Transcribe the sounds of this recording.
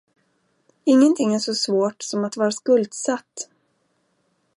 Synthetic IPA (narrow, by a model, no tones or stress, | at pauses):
ɪŋːənt̪ʰɪŋːæʂɔsvoːʈsɔmat̪vɑːɾaskɵld̪sat̪ː